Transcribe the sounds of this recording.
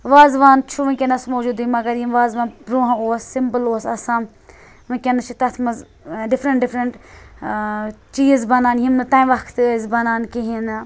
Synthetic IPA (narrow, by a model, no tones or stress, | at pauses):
ʋaːzʋaːnt͡ʃʰuʋɐ̃nkʲenɐsmoːd͡ʒuːd̪imɐɡɐɾjimʋaːzʋaːnbɾoːɦɐ̃oːsːimpəloːsɐsãːm | ʋɨ̃kʲenɐt͡ʃʰit̪ɐt̪ʰmɐz | ɖɪfʰɾɐɳʈɖɪfʰɾɐɳʈ | t͡ʃiːzbɐnaːnɦimnɨt̪aːjʋɐkʰt̪əzbɐnaːnkiɦin